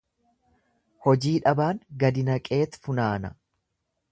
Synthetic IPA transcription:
hɔd͡ʒiːᶑɐbaːŋɡɐd̪ɪnɐkʼe̞ːt̪fʊnaːnɐ

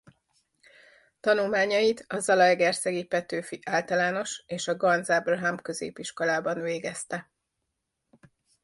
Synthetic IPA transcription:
t̪ɒnulmaːɲɒjit̪ɒzɒlɒjɡɛrsɛɡipɛt̪øːfiʔaːlt̪ɒlaːno̞ʃeːʃɒɡɒnzablɦampkø̞zḛːpiʃko̞laːbɒnveːɡɛst̪ɛ

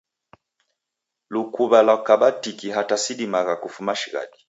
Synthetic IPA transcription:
lukuβalakaɓatikiɦatasiɗimaɣakufumaʃiɣa̰ɗi

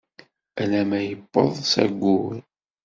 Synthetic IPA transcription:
ælæmæjəbːə̰ðˤsæ̰ɡʷːuɾ

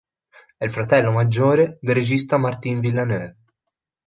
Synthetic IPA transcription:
ɛlfɾat̪ɛlːomad͡ʒːoːɾed̪erːed͡ʒist̪amart̪invilːanøː

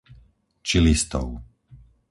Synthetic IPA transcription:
t͡ʃilist̪ɔ̰ʊ

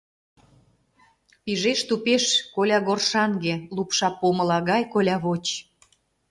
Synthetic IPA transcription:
piʒeʃt̪upeʃkolʲɑɣorʃɑŋɡelupʃɑpomɤ̆lɑɣɑjkolʲɑβot͡ɕ

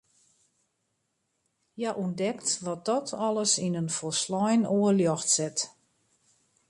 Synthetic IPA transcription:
jaʔundɛktʋɔt̚d̥ɔtʰɔləsinənfɔlˠslɔjnoəljɔxtsɛt

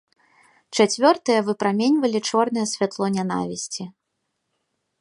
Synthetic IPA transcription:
t͡ʂat͡sʲvʲɔrt̪ɨjɐvɨpɾamʲenʲvɐlʲit͡ʂɔrn̪ɨjɛsʲvʲat̪lˠɔnʲana̰vʲisʲt͡sʲi

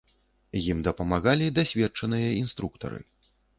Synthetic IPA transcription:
jimd̪ɐpɐmaɣalʲid̪asʲvʲɛtt͡ʂɐnɨjɐinst̪ɾukt̪ɐ̰ɾɨ̰

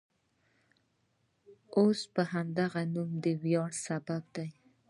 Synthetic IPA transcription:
ospəɦamd̪aɣanumd̪əwjɑɽsabab̚d̪aj

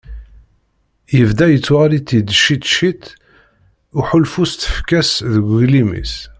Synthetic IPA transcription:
jəvd̪æjət͡sːwʁaɾit̪ːid̪ʃit̪ʃit̪ | uħulfust̪ə̥fkæsðəɡʷlimḭs

